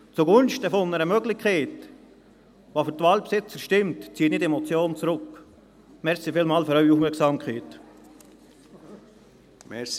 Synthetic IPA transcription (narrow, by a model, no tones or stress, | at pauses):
t͡suɡʊnʃtəfonəɾəmøɡlɪçkχɛɪt | ʋofʏɾtvɑːlpsɪt͡səɾʃtɪmtt͡siːənɪdɛmɔt͡sjoːnt͡sɾʊk | mɛɾsifɪːlmɑːlføɾœʏiufmɛɾksɑːmkχɛɪt | mɛs